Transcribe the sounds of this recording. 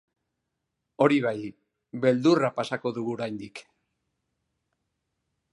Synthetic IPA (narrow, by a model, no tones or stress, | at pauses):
o̞ɾiβ̞aj | βe̞ld̪urapasako̞ðuɣuoɾajnd̪ik